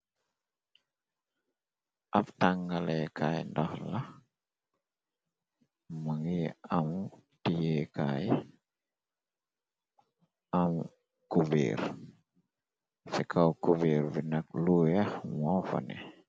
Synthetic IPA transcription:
ʔaftaŋɡalɛkʰajndɔxla | maŋɡiam | tijɛkaːj | ʔam | kuvḭːɾ | sɛkʰawkuveːɾbinak̚lujɛhmɔfɔ̰nɛ̰

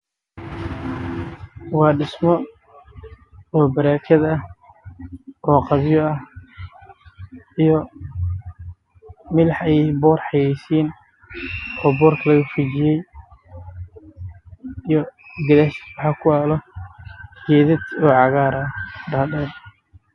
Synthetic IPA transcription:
wɑːɖɪsmɔ | ɔːbɐɾaːkʰɐðɐh | ʔɔːqɑβjɔɐh | ijɔ | mɪlħɑjɛbɔːrħɑjɛjsiːn | ɔːbɔːrkʰlɐɣɐfut͡ʃɪjɛj | ijɔɡɐlɛswɑħɑkʰʊaːlɔ | ɡɛːðɪd̪ɔːʕɑɣaːɾɖɐːɖɛːd̪

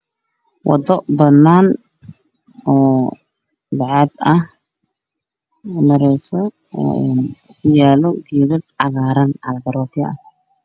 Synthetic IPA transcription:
wɑ̰d̪ɔbɐnaːn | ɔː | baʕaːd̪ɐh | mɐɾɛjsɔ | ɔ̰ːɛn | kʰʊjaːlɔɡiːðɪd̪ʕɑɣaːɾɐnʕɑlɐɡ̪ɐɾɔːbjɐʔɐ

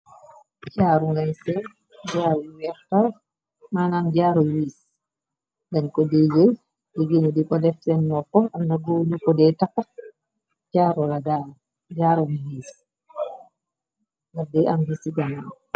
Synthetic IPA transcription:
t͡ʃaɾuŋɡajsɛn | d͡ʒaːɾɔwɛɾta | manamd͡ʒaːɾɔwis | ɡankɔded͡ʒɛj | deɡinɔdikɔdɛfsɛnːɔkːɔamnaɡonukɔdɛtakːa | t͡ʃaɾɔlada | d͡ʒaɾɔmwis | ŋɡaɾdɛamhisiɡanan

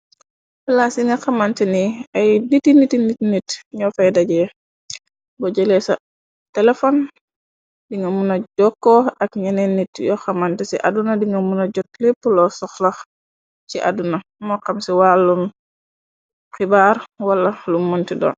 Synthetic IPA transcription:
flasiŋɐxɐmantɛniɐjnitinitinːitnitɲɔfɛjdaɟɛ | bɔɟɛlɛsa | tɛlɛfɔn | diŋɡɐmunaɟɔkːɔɐkɲanɛnːitjɔxɐmantɛsiʔa̰dunadiŋɡɐmunaɟɔt̚lipːulɔsɔxlax | siʔa̰dunamɔqɐmsiwalːun | xibaːɾwalːɐlumɔntidɔ̰ːn

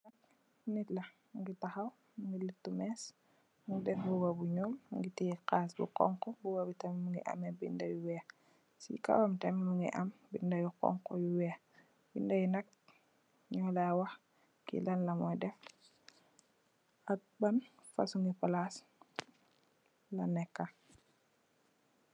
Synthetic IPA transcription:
nɐk̚ | nitlɐ | ŋɡitaxɐw | ŋɡilitːumɛːs | ŋɡdɛfbuɡabuɲɔːmŋɡitikaːs̬bṵkɔ̰ŋkɔbuɡabitɛmmuŋɡḭʔɐ̰mɛbḭndajuwɛː | sḭka̰wamtɛmimuŋɡḭʔɐmbindɐjukɔ̰ŋkɔ̰juwɛː | bindajunak̚ | ɲɔlawax | kḭlanlamɔjdɛf | at̚banfa̰suŋɡipalas | lanɛkːa

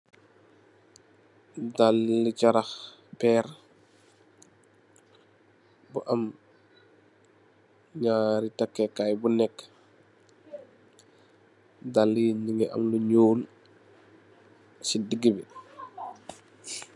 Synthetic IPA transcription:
dalːicɐɾɐxpɛɾ | buʔɐm | ɲaːɾitɐkːɛkajbunɛkː | dalːiniŋɡɛʔɐ̰mluɲoːl | sidəɡːibi

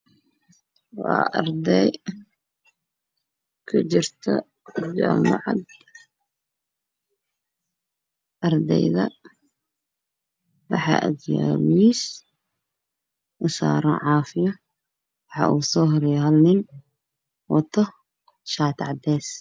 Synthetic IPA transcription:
wɑːʔɐrd̪ɛj | kʰʊt͡ʃɪrt̪ʰɔ | d͡ʒaːmɑʕɑd̪ | ʔɐrd̪ɛjðɐ | wɑħɑ̰ʔɐd̪jaːmiːs | ʊsa̰ːɾɔʕɑːfɪjɐ | wɑħɑ̰ʔuːsɔːhɾɪjɦɐlnɪn | wɐt̪ʰɔ | ʃaːt̪ʰʕd̪ɛːs

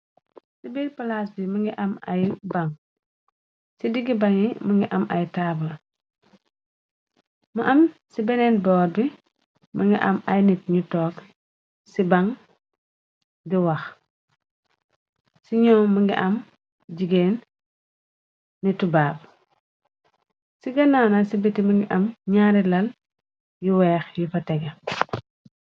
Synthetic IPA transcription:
sibilpɐlaːsbimɐŋɡiʔɐma̰jbɐŋ | sidiɡibaŋimɐŋɡiʔɐmɐjtabɐl | mɐʔɐmsibɛnɛnbɔːɾbi | mɐŋɡiʔɐmajnitɲutɔːk | sibaŋ | ɡiwɐx | siɲɔːmɐŋɡḭʔɐm | d͡ʒiɡeːn | nitubaːb̚ | siɡɐnaːnasibitimɐŋɡiʔɐmɲaːɾilɐl | juwɛːxjufɐtɛɡɐ

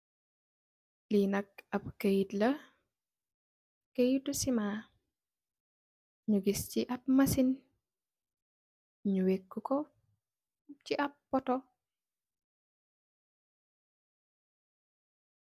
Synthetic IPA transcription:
linɐk̚ɐpkəjitlɐ | kəjitːusima | ɲuɡisciʔɐp̚mɐsin | ɲuwekːukɔ | ciʔɐpːɔtɔ

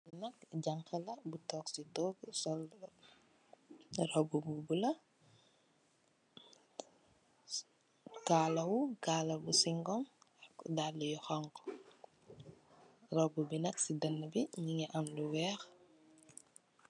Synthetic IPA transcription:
nɐk̚ɟaŋkɐlɐbutɔːksitɔːɡsɔl | rɔbububulɐ | kaːlɐwukaːlɐbusiŋɡɔmɐkdaːdːujɔxaŋkɔ̥ | rɔbubinɐksidɐnːəbiɲiŋɛʔɐmluwɛːx

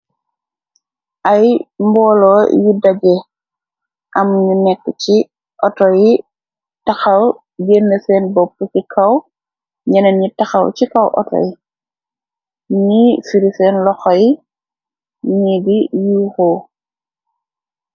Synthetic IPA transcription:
ʔajmbɔːlɔːjudɐɟɛ | ʔɐmɲunɛkːci | ʔɔtɔji | tɐxɐw | ɡenːɐsɛːnbɔpːut͡ʃikʰɐw | ɲɐnɐnɲitɐxɐ̰wcikɐwʔɔ̰tɔ̰j | ɲifiɾifɛːnlɔxɔj | ɲidijuːxɔː

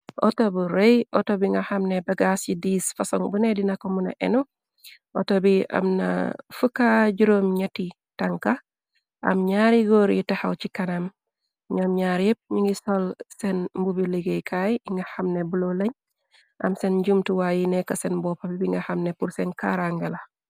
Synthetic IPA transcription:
ʔɔ̰tobuɾejʔɔ̰tobiŋɡɐhamnebɐɡasjidiːsfɐsɔŋbunedinɐkːomunɐ̰ʔɛ̰nu | ʔɔtobiɐ̰mnɐ̰fukaɟuɾomɲɐti | tɐŋkɐ | ʔɐ̰mɲaɾiɡoɾjitɐhawcikɐnɐm | ɲɔmɲaɾep̚ɲiŋɡisɔlsɛnmbubiliɡejkʰajiŋɡɐhamnebulolɐɲ | ʔɐmsenɟumtuwajinɛkɐsenbɔpabibiŋɡɐhamnepuɾsɛnka̰ɾaŋɡɐlɐ

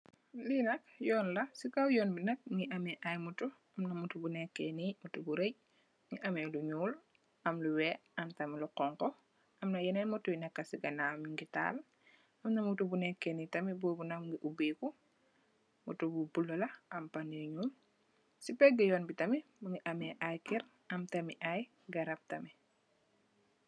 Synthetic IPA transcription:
linɐk̚jɔːnlɐsikawjɔːnbinɐk̚mŋiʔɐmɛʔajmutu | ɐmnɐmutubunɛkːɛnimutubuɾeɟ | ŋiʔɐmɛluɲuːl | ɐmluwɛːɐmtɐmiluqɔŋkɔ | ʔɐmnɐjɛnɛmutujnɛkːɐsiɡɐnamiŋɡita̰ːl | ɐmnɐmutubunɛkːɛnitɐmibɔːbunɐmŋɡiʔubiːku | mutububulːɐlɐʔɐmpaniɲuːl | sipɛɡɐjɔːnbitɐmimɐŋiʔɐmɛʔajkiɾ | ɐmtɐmiʔaj | ɡɐɾɐp̚tɐmi

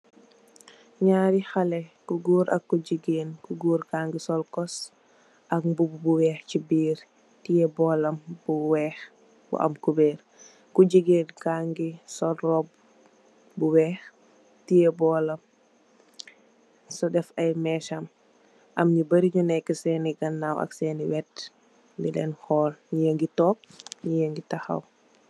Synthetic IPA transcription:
ɲaːɾixɐlɛkuɡuːɾʔɐ̰kːuɟiɡeːnkuɡuːɾkaːŋɡisɔlkɔs | ʔɐk̚bubbuwɛːxcibiːɾ | tijɛbɔːlɐmb̥uwɛːx | b̥ṵʔɐ̰mkubɛːɾ | kuɟiɡeːnkaŋɡisɔlrɔb̚ | buwɛːx | tijɛbɔlɐm | sɔdɛfɐjmɛʃɐm | ʔɐmɲibɐɾiɲunɛjkəsɛniɡɐnːawɐ̰ksɛːniwɛt | nilɛ̰nhɔːlɲijəŋɡitɔːk̚ɲijəŋɡitaxɐ̰w

